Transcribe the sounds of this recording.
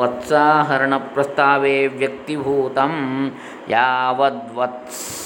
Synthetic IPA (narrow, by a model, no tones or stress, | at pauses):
ɐt̪saːɦɐɾɐɳɐpɾɐst̪ʰaːʋeːʋjɐk̚t̪ibʱuːt̪ɐm | jaːʋɐd̪ʋɐt̪s